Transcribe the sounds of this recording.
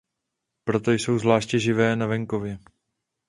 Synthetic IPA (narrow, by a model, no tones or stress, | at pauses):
pɾo̞t̪o̞jso̞wzvlaːʃcɛʒɪvɛːnavɛŋko̞vjɛ